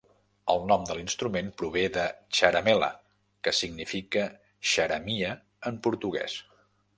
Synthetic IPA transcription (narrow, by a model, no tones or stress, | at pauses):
əlˠnɔmd̪əlinst̪ɾumenpɾuβ̞eðəʃəɾəmɛlə̰ | kəsiɡnifikə | ʃəɾəmiə | əmpuɾt̪uɣɛ̰s